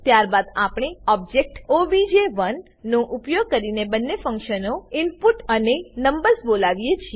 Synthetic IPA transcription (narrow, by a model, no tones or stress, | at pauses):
t̪jaɾbad̪apɳ̃eɔb̚d͡ʒek̚ʈoʋid͡ʒeʋənː | õʔupjoɡ̚kəɾinebənːefə̃ŋkʃənoɪnpuʈənenəmbəɾsbolaʋijet͡ʃʰie